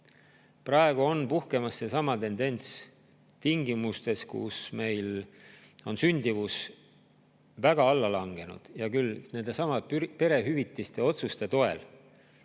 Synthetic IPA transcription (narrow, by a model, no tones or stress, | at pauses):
prɑe̞ɡ̥uo̞npuhke̞mɑsːesɑmɑt̪e̞nd̪e̞nʲt̪s | t̪iŋɡimust̪e̞skṵsme̞jl | o̞nsynʲd̪̥ivus | væɡ̥ɑɑlːɑlɑŋɡ̥e̞nṵd̪̥jɑkylne̞nd̪̥e̞sɑmɑpe̞ɾe̞ɦyvit̪ːˑist̪e̞o̞t̪sust̪e̞t̪o̞e̞̰l